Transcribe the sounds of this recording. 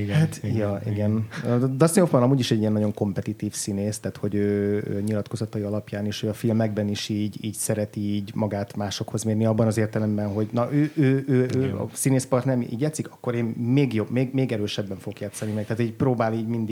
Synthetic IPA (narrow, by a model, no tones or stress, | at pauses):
hat̪jɒʔḭɡɛnd̪ɒsnilofbɒnɒmuːɟiʃɛɟːijɛnːɒɟo̞ŋko̞mpɛt̪it̪iːfsineːst̪aːt̪ho̞ɟøːø̰ːɲilɒt̪ko̞zɒt̪ɒjiɒlɒpjaːneːʃhøːɒfilmɛɡ̚bɛniʃiːɟiːcsɛɾɛt̪iːɟmɒɡaːt̪maːʃo̞kho̞zmeːrniɒbːɒnɒzeːrt̪ɛlɛmbɛnɦo̞ɟnɒʔøːøːøːøːɒ̰sineːspɒrt̪nɛɾnḭːɟjaːt̪sːikɒkːo̞ɾeːnmeːɡjo̞bmeːɡmeːɡɛɾøːʃɛbːɛɱfoɡokjaːt̪sɒnimɛk̚t̪ɛaːt̪iːɟpɾoːbaːliːɟmind̪i